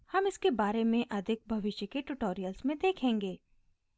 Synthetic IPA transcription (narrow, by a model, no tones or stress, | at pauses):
hɐmɪskebaːɾemẽʔɐd̪ʱɪk̚bʱɐʋɪʃjəkeʈʊʈoːɾijəlsmẽd̪eːkʰẽːŋɡeː